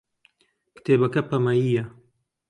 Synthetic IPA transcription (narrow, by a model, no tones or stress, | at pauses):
kt̪eːbɐkɐpɐmɐjiːjɐ